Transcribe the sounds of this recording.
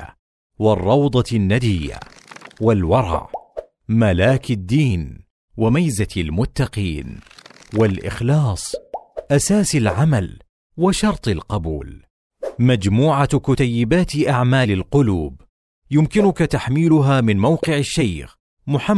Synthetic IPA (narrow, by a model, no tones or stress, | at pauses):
a | wɑrˤːɑwd̪ˤɑnːad̪ɪjːa̰walwɑɾˤɑ̰ʕ | malaːkɪd̪ːiːn | wamajzalmʊt̪ːɑqiːnwalʔɪ̰xlɑːsˤʔasaːsalʕamal | waʃɑɾˤt̪ˤɪlqɑbṵːl | mad͡ʒmuːʕakʊt̪ajːɪbaːt̪ʔaʕmaːlɪlqʊluːb | jʊmkɪnʊkat̪aħmiːlʊɦaːmɪnmawqɪʕɪʃːajx | mʊħa